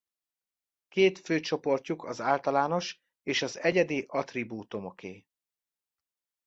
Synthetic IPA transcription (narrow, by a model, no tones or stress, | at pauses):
keːt̪føːt͡ʃo̞po̞rcukʰɒzaːlt̪ɒlaːno̞ʃ | eːʃɒzɛɟɛd̪iʔɒt̪ribuːt̪o̞mo̞kʰeː